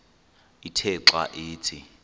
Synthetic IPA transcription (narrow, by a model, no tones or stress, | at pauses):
itʰɛǁa̰ʔeːt͡sʰʼɪ